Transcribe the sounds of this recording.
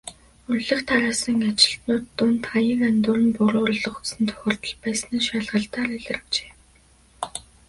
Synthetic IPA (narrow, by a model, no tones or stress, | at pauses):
ɵrɮɘ̆xt̪ʰaɾaːsə̆ŋat͡ɕɪ̆ɬt̪nʊːt̪ːʊnt̪χajə̆ŋant̪ʊːɾɘ̆npuɾʊːɾə̆ɮə̆χu̥sɘ̆nt̪ʰœ̥xʲɪ̆r̥t̪ə̆ɮpæːsniːʃaɮʁə̆ɬt̪aːriɮɪ̆r̆kt͡ɕe̥ː